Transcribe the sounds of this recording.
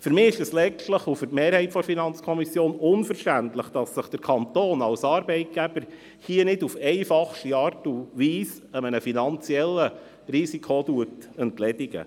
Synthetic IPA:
fʏɾmɪːɪʃɛslɛt͡ʃtləχufʏrtmeːɾhɛɪtfɔɾfinɑnt͡skʰɔmisjoːnʊnfəɾʃtæntləχd̥ɑsːəχd̥əɾkʰɑnt̪oːnɑlsɑːɾbɛɪt̚ɡ̥æb̥əɾ | hiənɪdufɛɪfɑχʃtiɑːɾtuʋiːs | əmənəfinɑnt͡siɛlːə | ɾisikʰotuətəntlɛdiɡə̰

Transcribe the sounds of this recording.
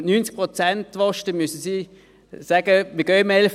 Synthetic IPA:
nyːnt͡sk̚pʁot͡sæntʋɔʃtəmyəsəsiː | sæɡ̥əmɪɡœːmɛlf

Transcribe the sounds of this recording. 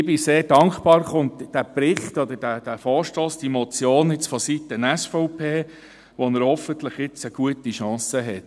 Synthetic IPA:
ɪbɪseːɾdɑŋkχpɑːɾχʊntd̥æpɾɪχt̪ɔd̪ədæd̥æfɔːɾʃtoːsd̥imɔt͡sjoːnɪt͡sfɔsit̪ənæsfɔʊpʰeː | ʋɔnəɾhɔfənt̪ləχɪt͡səɡ̥uətiʃɑ̃ːsəɦɛt

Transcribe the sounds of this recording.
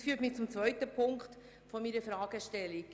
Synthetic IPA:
fyːtmɪt͡sʊmt͡svœʏtəpʰʊŋkt | fɔmiɾəfɾɑːɡ̥əʃtɛlik

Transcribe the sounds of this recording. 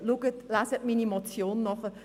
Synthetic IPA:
luɡətlaːsətmiːnimot͡sjoːnːɔχə

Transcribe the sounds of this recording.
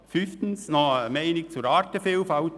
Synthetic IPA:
fyft̪ən̩snɔmɛɪnɪk̚t͡suɾɑːɾt̪əfelfɑʊ

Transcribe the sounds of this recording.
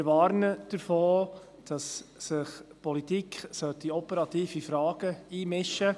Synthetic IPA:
ɪɾʋɑːɾnəd̥əɾfoː | d̥ɑsːɪχpɔlit̪iːkʰsœt̪iɔpəɾɑtiːfifɾɑːɡ̥əiːmɪʃə

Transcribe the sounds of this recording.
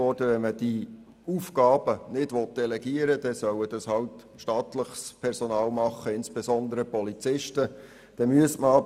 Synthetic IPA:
ɔd̥əʋɛnməd̥i | ufɡɑːbənɪdʋɔt̚d̥ɛlɛɡ̥iəɾəd̥ɛsœwəd̥ɑshɑwt | ʃtɑːt̪ləχspʰɛɾsɔnɑːlmɑχːəɪnsb̥esɔnd̪əɾəpɔlit͡sɪʃtə | d̥ɛmyəsməɑ

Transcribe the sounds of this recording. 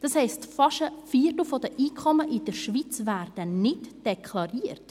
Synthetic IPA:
d̥ɑshɛɪstfɑʃəfiːətl̩ˠfɔdəʔiːkʰχɔməʔɪd̥əɾʃʋit͡svæɾd̥ənɪdd̥ɛkʰlɑɾiːərt

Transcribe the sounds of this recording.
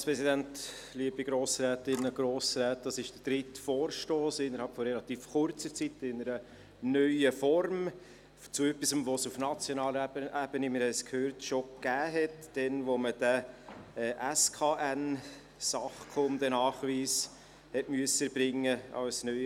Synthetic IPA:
spɾɛsidænt | liəbiɡɾoːsɾæːtɪnəɡ̥ɾoːsɾɛːt̚d̥ɑsɪʃd̥əɾd̥ɾɪtfoːɾʃtoːsɪnːəɾhɑlpfɔrɛlɑt̪iːfχʊɾt͡səɾt͡sitɪnəɾə | nœʏəfɔrm | t͡suœpisəmʋosufnɑt͡sjɔnɑːləʔæb̥ənimɪɾhɛɪskʰhøːɾtʃokæːɦɛtd̥ɛnʋoməd̥æɛʔæskʰɑːʔæn | sɑχkʰomd̥̪ənɑːχʋiːs | hɛtmyəsəbɾɪŋːəɑ̰wsnœ

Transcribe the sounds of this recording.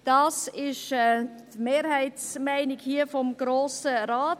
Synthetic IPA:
d̥ɑːsɪʃɛtmeːɾhæɪtsmæɪnɪɡhiəfɔmɡ̥ɾoːsəɾaːt

